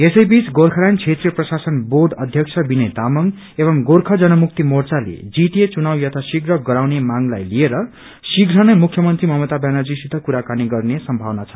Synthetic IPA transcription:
esʌjbit͡sɡorkʰʌɾajnt͡sʰet̪riprʌsasʌnborɖʌd̪ʱjʌksʰʌbinet̪amʌŋ | eβʌmɡorkʰʌd͡zʌnʌmuk̚t̪imort͡salḛd͡ziʈet͡sunawjʌt̪ʰasiɡɾʌɡʌɾawnemaŋlajlieɾʌ | siɡɾʌnʌjmukʰjʌmʌnt̪rimʌɦmʌt̪abanad͡zisud̪ʱʌkuɾakaniɡʌrnesʌmbʱawnat͡sʰʌ̥

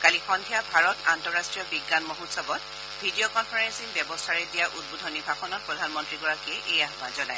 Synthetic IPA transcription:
kalixɔndʱijabʱaɹɔtantɔɹastɹijɔbiɡːanmoɦutsɔbɔt̚ | bʱidiokɔnpʰaɹensinbjɛbɔstʰaɹɛdijaʔud̚bodʱɔnibʱaxɔnɔtpɹɔdʱanmɔntɹiɡɔɹakɛʔejaɦbazɔnaj

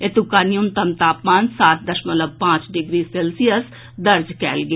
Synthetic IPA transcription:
et̪ukaːnijʊmt̪əmt̪aːpmaːnsaːt̪̚d̪əʃmələb̚pãːt͡ʃɖɪɡɾiːseːlsijəs | d̪əɾd͡ʒkɛːlɡe

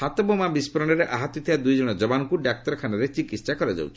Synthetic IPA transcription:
hat̪ɔbɔmabispɔɾɔɽ̃ɔɾeʔaɦat̪ɔt̪ʰibad̪ujd͡ʒɔɽ̃ɔd͡ʒɔbanɔkuɖak̚ʈɔɾɔkʰanɔɾet͡ʃikit̪ssakɔɾɔd͡ʒa̰wt͡ʃʰi̥

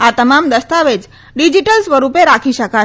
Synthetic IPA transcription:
at̪əmamd̪əst̪aʋed͡ʒ | ɖid͡ʒiʈəlsʋəɾupeɾakʰiʃəka

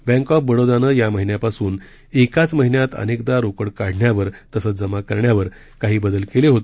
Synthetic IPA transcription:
bɛ̃ŋkɔpbəɽod̪anəjaməɦinjapasuːn | ekat͡sməɦinjat̪ə̰nekd̪aɾokəɽkaɽ̤ɳjaʋəɾt̪əsət͡sd͡zəmakəɾɳjaʋəɾ | kaɦiːbəd̪əlkeleɦot̪e

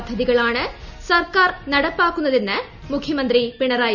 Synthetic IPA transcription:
d̪ʱːɐðiɣɐɭaːɳɐsɐrkaːɾnɐɽɐpːaːkːunːɐðinːɐ | mʊkʰjɐmɐnd̪ɾipɪɳɐɾaːj

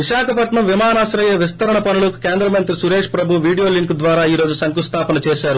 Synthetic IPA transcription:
ʋiʃaːkʰɐpɐʈɳɐmʋimaːnaːsɾɐjɐʋist̪ɐɾɐɳɐpɐnulɐku̥keːnd̪ɾɐmɐnt̪ɾisuɾeːʂpɾɐbʱuʋiːɽijo̞ːliŋkd̪ʋaːɾaːiːɾo̞ːd͡ʒusɐŋkust̪ʰaːpɐnɐt͡ʃɛːʃaːɾu

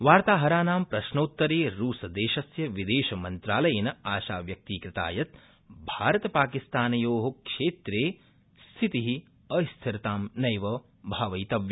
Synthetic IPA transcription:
ʋaːɾt̪aːɦɐɾaːnaːmpɾɐʃnɐut̪ːɐɾeːɾuːsɐd̪eːʃɐsjɐʋid̪eːʃɐmɐnt̪ɾaːlɐjɐnɐaːʃaːʋjɐk̚t̪iːkɾɪt̪a̰ːjɐt̪̚ | bʱaːɾɐt̪ɐpaːkist̪aːnɐjoːɦɐkʂeːt̪ɾeː | st̪ʰit̪iɦi | ɐst̪ʰiɾɐt̪aːmnɐjʋɐ | bʱaːʋɐjt̪ɐʋjɐ

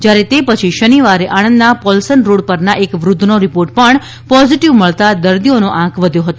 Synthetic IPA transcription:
d͡ʒjaɾet̪epət͡ʃʰiʃəniʋaɾeʔanənd̪napɔlsənɾoɽpəɾnaʔekʋɾʊd̪ʱːnoɾipoɾʈ̚pəɳ | pɔziʈiʋməɭt̪ad̪əɾd̪ionoʔãkʰʋəd̪ʱjoɦət̪o

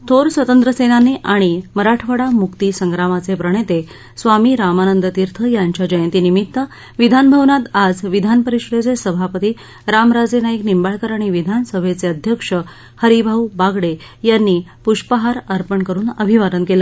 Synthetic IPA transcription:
t̪ʰoɾsʋət̪ənt̪ɾəsenanːiʔaɽ̃iməɾaʈʰʋəɽamukt̪isəŋɡɾamat͡sepɾəɳ̃et̪e | sʋamiːɾamanənd̪ət̪iɾt̪ʰəjaɲt͡ɕjad͡ʑəjənt̪iːnimit̪ːə | ʋid̪ʱanbʱəʋnat̪ad͡zʋid̪ʱanpəɾiʂɽed͡zesəbʱapət̪iː | ɾamɾad͡zenaeknimbaɭkəɾaɽ̃iʋid̪ʱansəbʱet͡seəd̪ʱjəkʂə | həɾibʱawbaɡɽejanːiːpuʂpəɦaɾəɾpəɳkəɾuːnəbʱiʋaɾənkelə

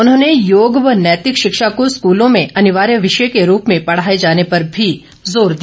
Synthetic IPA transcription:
ʊnɦõːnejoːɡʋənɛːt̪ɪkʃɪkʃakoskuːlõmẽɐnɪʋaːɾjəʋɪʃəjkeɾuːpmẽpɐɽ̤aːed͡ʒaːnepɐɾbʱi | zoːɾd̪i

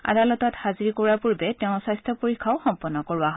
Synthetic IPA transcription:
a̰dalɔtɔthaziɹikɔɹaɹpuɹbɛtɛʊ̃sajstʰɔpoɹikʰːaʊxɔmpɔnːɔkoɹuaɦ

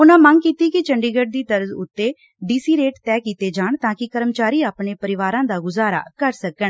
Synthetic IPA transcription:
ʊnãːməŋɡkiːt̪iːkɪt͡ʃəɳɖiːɡəɖ̚d̪iːd̪əɾzʊt̪ːeː | ɖiːsiːɾeːʈt̪ɛːkiːt̪eːd͡ʒaːɳt̪ãːkɪkəɾəmt͡ʃaːɾiːaːpɳeːpəɾɪʋaːɾãːd̪aːɡʊzaːɾa̰ːkəɾsəkəɳ

